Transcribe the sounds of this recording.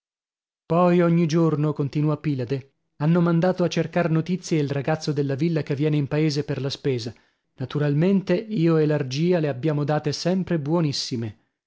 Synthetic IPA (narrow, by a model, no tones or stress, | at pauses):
pɔjoɲːid͡ʒornokont̪inuapilad̪e | anːomand̪aːt̪oat͡ʃːerkarnot̪it̪sːjeilraɡat̪sːod̪elːavilːakevːjɛːneimpaeːzeperlaspeːza | nat̪uɾalment̪eiːoelard͡ʒiːaleabːjaːmod̪aːt̪esɛmpɾebwɔnisːime